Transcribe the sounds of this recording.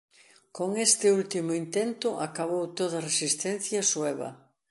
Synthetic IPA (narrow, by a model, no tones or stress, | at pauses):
koŋest̪ɪult̪imʊint̪ent̪ʊʔa̰kaβowt̪oðɐresist̪ɛnθjɐswɛβ̞ɐ̰